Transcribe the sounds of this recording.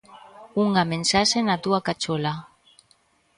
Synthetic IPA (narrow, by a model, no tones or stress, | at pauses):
uŋɡamensasenat̪uakat͡ʃola